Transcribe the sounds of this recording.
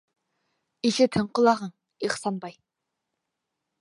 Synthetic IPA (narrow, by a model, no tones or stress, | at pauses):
iʃɪt̪ʰɪɴqəlˠɑʁɑŋ | eχsɑnbɑj